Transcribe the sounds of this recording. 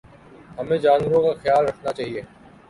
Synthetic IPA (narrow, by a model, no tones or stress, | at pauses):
ɦɐmẽd͡ʒaːnʋəɾõkaxjaːlɾɐkʰnat͡ʃaːɦieː